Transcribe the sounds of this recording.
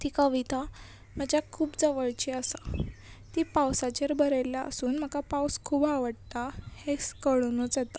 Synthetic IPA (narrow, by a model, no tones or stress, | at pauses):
t̪ikəʋit̪a | m̤əd͡ʑjakʰuːbd͡zəʋəɭt͡ɕiəsa | t̪ipawsat͡ɕeɾbəɾeljaʔə̰suːnm̤əkapawskʰuːbaʋəɽt̪aheskəɭnut͡sjɛt̪a